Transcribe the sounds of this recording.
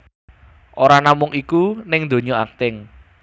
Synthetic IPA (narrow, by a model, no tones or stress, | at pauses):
ʔoɾanamʊŋikunɪŋd̪o̤ɲɔak̚t̪ɪŋ